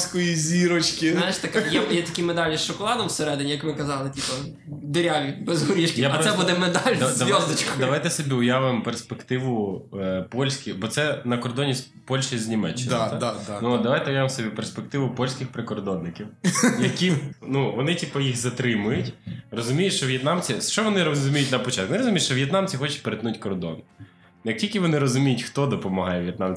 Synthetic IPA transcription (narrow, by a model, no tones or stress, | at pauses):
sʲkɔjizʲiɾɔt͡ʃkɪnajɪʃt̪ɐkjɛjɛt̪ɐkʲimed̪ɑlʲisʃɔkɔlˠɑd̪ɐmwseɾɛd̪ɪnʲijɐkmɪkɐzɑlˠɪtʲipɐ | d̪eɾʲaʋʲibɛzɦɔɾʲiʃkʲɪjaɛbud̪ɛmed̪ɑlʲɐd̪ɐjɔzd̪ɪt͡ʃkɔd̪ɐʋajt̪ɛsɔbʲiʊjaʋɪmperspekt̪ɪʋʊ | pɔlʲsʲkʲibɔt̪sɛnɐkɔrd̪ɔnʲis | pɔlʲʃɪiznʲimɛt͡ʃːɪnd̪ad̪nud̪ɐʋajt̪ɛʊjaʋɪmsɔbʲiperspek̚t̪ɪʋʊpɔlʲsʲkʲɪxpɾɪkɔrd̪ɔnːɪkʲiwjɐkʲinuʋɔnɪtʲipɐjiɣzɐt̪ɾɪmʊjʊtʲrɔzʊmʲijʊʃt͡ʃɔʋjɛt̪nɑmt͡sʲisʃt͡ʃɔʋɔnɪɾɔzʊmʲijʊtʲnɐpɔt͡ʃɑt̪kʋnɪɾɔzʊmʲijʃt͡ʃɔʋjɛt̪nɑmt͡sʲixɔt͡ʃɪ̥peɾet̪nutʲkɔrd̪ɔn | jɐk̚tʲilʲkʲɪʋɔnɪɾɔzʊmʲijʊtʲxt̪ɔd̪ɔpɔmɐɦɑjɛʋjɛt̪nɑmʲ